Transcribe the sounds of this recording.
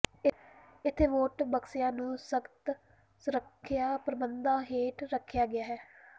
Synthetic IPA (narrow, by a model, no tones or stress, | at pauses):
ɪt̪ʰːeːʋoːʈbəksɪjãːnũːsəkt̪ | ɾəkʰːjaːpɾəbənd̪aːɦeːʈɾəkʰːjaːɡɪjaːɦɛː